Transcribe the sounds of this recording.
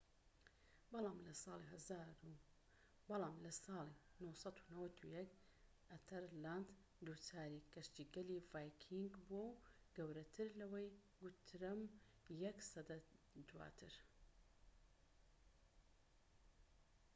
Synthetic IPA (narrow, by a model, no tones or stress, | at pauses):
bɑlˠɑːmlɐsɑːlˠiɦɐzaːɾu | bɑlˠɑːmlɐsɑːlˠi | nosɑt̪u̥nɐwɐt̪ʰujɐk | ʔɐt̪ʰɐɾland̪ | d̪ut͡saːɾikɐʃt̪iːɡɐlivaːjkʰiŋɡbuɐwɡɐwɾɐt̪ʰɨɾlɐwɐj | ɡʊt̪ʰɾɐm | jɐksɐd̪ɐd̪wa̰ːt̪ʰɨɾ